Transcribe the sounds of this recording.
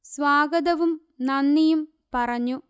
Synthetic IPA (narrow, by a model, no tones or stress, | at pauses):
sʋaːɡɐðɐʋum | nɐnːijum | pɐrɐɲːu